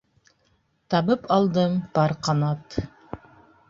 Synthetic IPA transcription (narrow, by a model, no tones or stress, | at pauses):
t̪ɑβɤpɑlˠd̪ɤmpɑɾqɑnɑt̪